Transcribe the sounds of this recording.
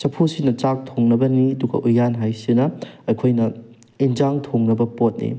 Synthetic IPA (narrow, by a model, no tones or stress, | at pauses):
t͡ʃɐpʰusinɐt͡ʃak̚tʰoŋnɐbɐniɐduɡɐ̰ʔujːanɦajsinɐɐjkʰojnɐ | ind͡ʒaŋtʰoŋnɐbɐpot̚nḭ